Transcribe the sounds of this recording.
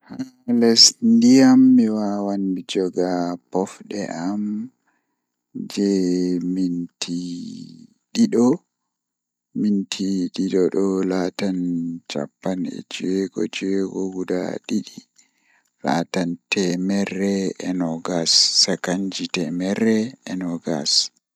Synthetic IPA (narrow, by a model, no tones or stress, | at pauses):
ha | lɛsndijamːiwawandid͡ʒɔɡapɔfɗɛ̰ʔam | d͡ʒɛmintʰi | ɗiɗɔ | mintʰiɗiɗɔɗɔlatant͡ʃa̰pːanɛ̰t͡ʃiweɡɔ̰t͡ʃiweɡɔɡuda̰ɗiɗi | la̰tantɛmɛrːɛɛnɔɡasːakaɲd͡ʒitɛmɛɾːɛɛnɔɡa̰s